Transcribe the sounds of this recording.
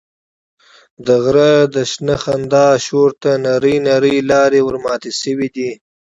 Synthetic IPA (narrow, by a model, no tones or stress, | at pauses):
d̪əɣɾəd̪əʃnəxand̪ɑːʃoɾt̪anaɾəjnaɾəjlɑːɾewəɾmɑːt̪esəwid̪i